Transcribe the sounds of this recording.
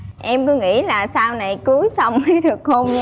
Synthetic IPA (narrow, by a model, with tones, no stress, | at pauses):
ʔɛ˧mkɨ˨˦ŋḭ˧˥laː˨˩saː˧wna˨˩jku˨˦əjsa˧wŋ͡mɗɨ˨˩ək̚ho˧ŋ͡m